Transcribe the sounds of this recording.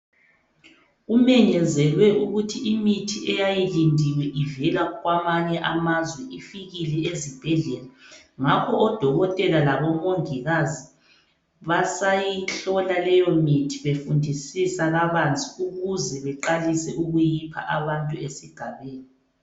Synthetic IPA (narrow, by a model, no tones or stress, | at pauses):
umɛɲɛzɛlwɛʔuɣutʰiimitʰiʔɛjajilindʱiwɛʔivɛlaɣwamaɲɛʔamazwɛʔifiɣilɛezib̥ʱɛɮɛlaŋakʰɔʔɔd̥ʱɔɣɔtʼɛlalaβɔmoŋiɣazi | βasajiɬɔlalɛjɔmitʰi̥βefundʱisisaɣaβant͡sʼiuɣuzɛβɛǃalisɛʔuɣujipʰa̰ʔaβantʼuesiɡ̥ʱaβeːni